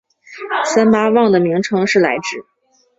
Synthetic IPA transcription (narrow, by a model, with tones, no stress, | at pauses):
sa˥nma˥wɑ˥˩ŋd̪ə˩mi˧˥ŋʈ͡ʂʰɤ˧˥ŋʂɻ̩˥˩la̰˧˥ɪʈ͡ʂɻ̩˥˩